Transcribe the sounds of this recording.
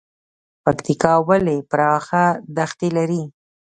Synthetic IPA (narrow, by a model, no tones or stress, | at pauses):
pakt̪ikɑwalepɾɑxad̪axt̪elaɾi